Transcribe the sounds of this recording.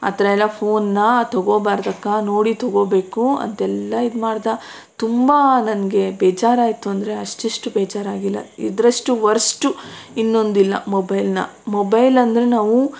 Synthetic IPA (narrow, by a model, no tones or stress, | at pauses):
ɐ̰t̪ɐɾɐɛlːɐpʰoːnːɐt̪ɐɡoːbaːɾd̪ɐkːano̞ːɽit̪ɐɡo̞ːbe̞ːkuɐ̰nt̪ɛlːɐid̪umaːɽd̪ɐ | t̪umbanɐnɡe̞bɛːd͡ʒaːɾaːjt̪ːuɐnd̪ɐɾe̞ɐʂʈiʂʈubɛːd͡ʒaːɾaːɡilːɐ̰id̪ɾɐʂʈuʋɐɾsʈuinːo̞nd̪ilːɐ̰mobɐjlnɐ̰ | mobɐjlɐnd̪ɐɾe̞naːʋu